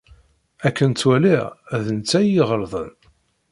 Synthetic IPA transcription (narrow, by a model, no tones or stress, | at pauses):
ækːənt͡sːwæliʁæðənt͡sːæjiʁəɾˤðˤə̰n